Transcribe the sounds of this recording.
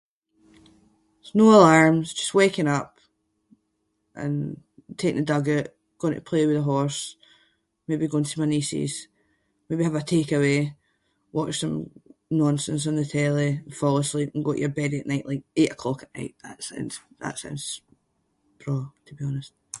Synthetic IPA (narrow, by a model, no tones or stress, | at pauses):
znoəlˠaɹmzd͡ʒʌstwekɪ̃ŋʌp | ʔə̰̃n | tʰekɪ̰̃ŋədʌɡɪʔ | ɡ̥oɪ̃ŋtʰəpʰl̥ewɪðəɦɔɹs | mebiɡoɪ̃ntʰəmənisḭz̥ | mebiəvətʰekəwe | wɔt͡ʃsə̃mnɔ̃nsə̃ns̬n̩ðətʰelˠẽnfɔlˠoəslˠipə̃n̩ɡoʔjə˞bɛdəʔnaɪʔlˠaɪk̚eʔəkʰl̥ɔkəʔna̰ɪʔðə̰ʔsã̰ɪ̃ns | ðə̰ʔsã̰ɪ̃n | b̥ɹɔtʰəbiɔnəst̚